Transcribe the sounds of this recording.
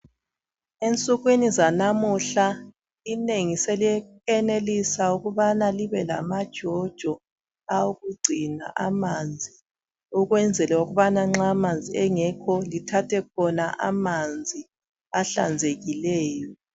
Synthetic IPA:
ent͡sʼuɣwinizanamuɬa | ineŋiseliɛkɛnelisauɣuβanaliβɛla̰mad̥ʒ̥ʱɔd̥ʒ̥ʱɔ | auɣuɡ͡ǀʱina̰ʔamand͡zʱi | uɣwɛnd͡zʱɛlɛuɣuβanaŋ͡ǁamand͡zʱiɛŋɛkʰɔlitʰatʰɛkʰɔnaʔa̰mand͡zʱi | aɬa̰nd͡zʱeɣilɛːjɔ

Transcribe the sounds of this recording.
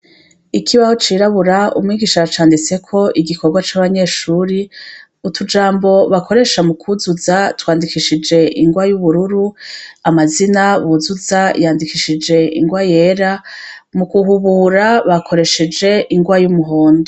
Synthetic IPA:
ikʰiβaho̞t͡ʃiːɾaβuɾaṵmŋiːɡiːʃat͡ʃaːndit͡se̞kʰo̞ʔiɡiko̞ɾɡwat͡ʃaːβaɲe̞ːʃuɾi | utʰud͡ʒaːmbo̞βakʰo̞ɾe̞ʃamukʰuzuzatwaːndikiʃid͡ʒe̞ʔiŋɡwajuβuɾuɾuamazinaβuzuzajaːndikiʃid͡ʒe̞ḭŋɡwaje̞ːɾa | mukuɦuβuːɾaβakʰo̞ɾe̞ʃed͡ʒe̞ʔiŋɡwajumuɦoːndo

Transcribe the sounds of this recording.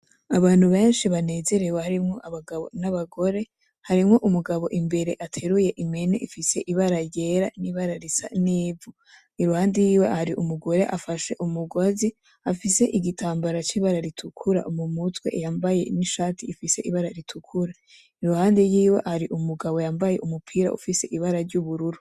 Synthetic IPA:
aβaːnhuβe̞ːnʃiβane̞ːze̞ɾe̞wehaɾimŋo̞ʔaβaɡaβo̞̰naβaɡo̞ɾe̞ | haɾimŋo̞ʔumuɡaβo̞ʔimbe̞ɾe̞ʔatʰe̞ɾuje̞ʔime̞nḛʔifise̞ʔiβaɾaje̞ɾaniβaɾaɾisa̰niːvu | iɾuhaːndejiːwe̞haɾiʔumuɡo̞ɾe̞ʔafaʃe̞̰ʔumuɡozi | afise̞ʔiɡitʰaːmbaɾat͡ʃiβaɾaɾitʰukʰuɾa̰ʔumumutwe̞̰jaːmbaje̞̰niʃaːtiːfise̞ʔiβaɾaɾitʰukʰuɾa | iɾuhaːndejiːwe̞̰ʔhaɾiʔumuɡaβo̞jaːmbaje̞̰ʔumupʰiːɾa̰ṵfise̞ʔiβaɾaɾɟuβuɾuɾu

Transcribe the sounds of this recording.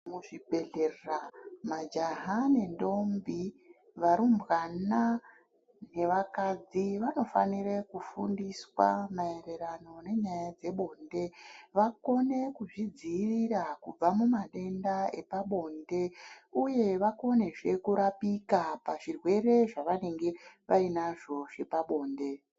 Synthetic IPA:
muʐibʱeɮerramad͡ʒaɦane̞ndo̞mbi | ʋaɾumbɣana | ne̞ʋakad͡ziʋano̞fa̰nirekufundiswa̰mae̞re̞ɾano̞ne̞ɲajad͡ze̞ɓo̞nde̞ʋako̞ne̞kuʐid͡ziːrirakub͡vamumaɗe̞ndae̞paɓo̞nde̞uje̞ʋako̞ne̞ʐe̞kuɾapikapaʐirwe̞ɾe̞ʐaʋane̞ŋɡe̞ʋainaʐo̞ʐe̞paɓo̞ːnde̞

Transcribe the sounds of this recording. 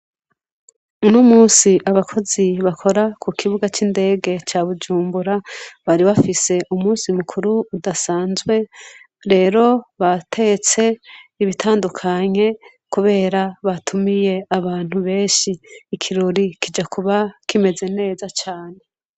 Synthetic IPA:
unumuːsiʔaβakʰo̞ziβakʰo̞ɾakʰukʰiβuɡat͡ʃinde̞ːɡe̞t͡ʃaβud͡ʒuːmbuɾaβaɾiβafise̞ʔumuːsimukʰuɾuːdasaːnzwe̞ | ɾe̞ːɾo̞βatʰe̞et͡se̞iβitʰaːndukʰaɲe̞ | kuβe̞ːɾaβatʰumije̞aβaːn̥uβe̞ːnʃiːkʰiɾo̞ɾikid͡ʒakuβakime̞ze̞ne̞ːzat͡ʃaːne̞

